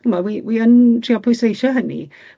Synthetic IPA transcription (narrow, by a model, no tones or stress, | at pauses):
mawiwiəntʰriɔpʰɔjsejʃɔɦənḭ